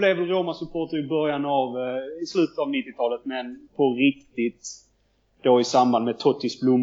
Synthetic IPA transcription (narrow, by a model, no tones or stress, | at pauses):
lɛvəɾoːmasɵpʰoːʈəɾɪbœɾjanavɪslʉ̟ːt̪ə̥t̪avnɪt̪ːɪt̪ʰɑːlət̪mɛnpʰɔɾɪkt̪ɪt̪ | d̪̥oɪsamband̪mɛt̪ʰɔt̪ːɪsblʊmː